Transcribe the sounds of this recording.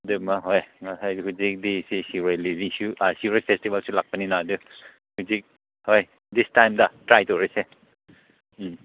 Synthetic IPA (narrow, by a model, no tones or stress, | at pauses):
dɯmaɦojŋasajdhuzik̚disisiɾojlibiŋsuasiɾojpʰestibalsulak̚pɐninadɯ | huzik̚ | hoj | distajmdɐtɾajtoɾise